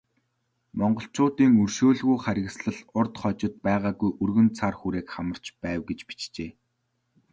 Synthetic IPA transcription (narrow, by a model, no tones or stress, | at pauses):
mɔɴɢɞ̆ɬt͡ɕʰʊːt̪iːŋɵrʃoːɮɣujχæɾʲɪ̆ɣsɮə̆ɮʊrt̪χɔt͡ɕɪ̆t̪̚pæːʁaːɣujʔɵrɣɵ̆nt͡sʰarxuɾeːkχamə̆r̥t͡ɕpæːwɡet͡ɕpi̥t͡ɕt͡ɕeː